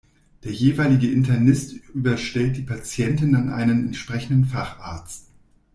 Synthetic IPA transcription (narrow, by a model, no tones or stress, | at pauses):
d̥eːɐjeːvaɪlɪɡəʔɪntʰɐnɪstʔyːbɐʃtɛlt̚d̥iːpʰat͡sjɛntɪnanʔa̰ɪnənɛntʃpʁ̥ɛçn̩dən̩faχʔaːɐt͡st